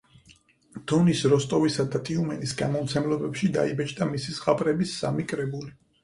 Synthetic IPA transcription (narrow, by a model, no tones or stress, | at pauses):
d̪̥ɔnisɾɔst̪ʼɔvisad̪at̪ʼiumɛnisɡa̰mɔmt̪sʰɛmlˠɔbɛpʃid̪a̰ibɛt͡ʃʼd̪amisisʁapʼɾɛbisːamikʼɾɛbuli